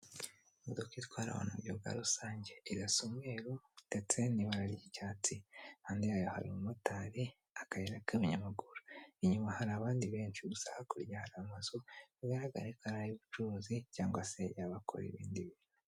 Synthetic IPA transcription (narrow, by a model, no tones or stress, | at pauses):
mudokitkwaːɾa̰wa̰nujoɡa̰ɾusaːɲɟe̞ːɡasomeːɾod̥et͡se̞niβaɾaɾiɟicaːt͡sihaːndijajoha̰ɾimumotaːɾi | akajeɾakamiɲamaɡuɾuiɲumahaɾaːβaːndiβeːnʃiɡusahakuɾjahaɾamazoβiɡaɾaɡa̰ɾekaɾajiβut͡ʃuɾuzicaːŋɡwasejaβakʰo̰ɾḭβḭːndiβino